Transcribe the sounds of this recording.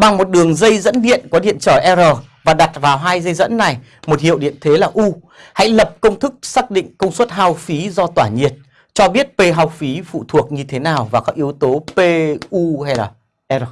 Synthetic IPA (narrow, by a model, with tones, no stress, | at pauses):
ɓa˨˩ŋmo˨˩t̚ɗɨ˨˩əŋzə˧jzə̰˧˥nɗḭ˧˨ənkɔ˨˦ɗḭ˧˨ənt͡ɕəː˧˩ʔɛ˧zəː˨˩vaː˨˩ɗa˨˩t̚vaː˨˩wɦaː˧jzə˧jzə̰˧˥nːa˨˩j | mo˨˩t̚hḭ˧˨əwɗḭ˧˨ənt̪ʰe˨˦laː˨˩ʔu˧ | ha̰˧˥jlə˨˩p̚kə˧wŋ͡mt̪ʰɨ˦˥k̚saː˦˥k̚ɗḭ˧˨ŋ̟kə˧wŋ͡mswə˦˥t̚haː˧wfi˨˦zɔ˧t̪waː˧˩ɲi˨˩ət̚ | t͡ɕɔ˧ɓi˦˥ət̚pe˧ɦa˨˧wfi˨˦fṵ˧˨t̪ʰu˨˩ək̚ɲɨ˧t̪ʰe˨˦naː˨˩wvaː˨˩kɔ˨˦˥ʔi˨˦əwt̪o˨˦pe˧ʔu˧ha˧jlaː˨˩ | ʔɛ˧zəː˨˩